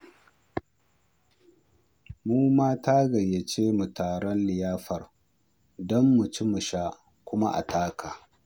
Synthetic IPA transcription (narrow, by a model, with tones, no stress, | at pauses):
muː˦maː˦taː˦ɡɐ˨jːe˨t͡ʃeː˦mu˨taː˨ɽɔ˦nlɪ˨jaː˦ɸɐ˨r | dɔ˦mːu˨t͡ʃi˦mu˨ʃa˦ | kʷʊ˦ma˦ʔa̰˨taː˦kʰaː˨